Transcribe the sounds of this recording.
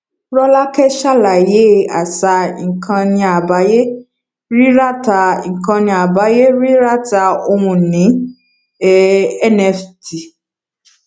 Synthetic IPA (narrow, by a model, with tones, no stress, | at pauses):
ɾɔ˦la˦kɛ˦ʃa˦la˨je˨˦˨a˨sa˧ŋ̩˨kʰã˧nĩ˧a˨ba˨˦je˦ | ɾi˦ɾa˦ta˧˨kã˧nĩ˧a˨ba˨˦je˦ɾi˦ɾa˦ta˧o˧mũ˨˧˨nĩ˨˦ | ɛ˦nɛ˧fti˨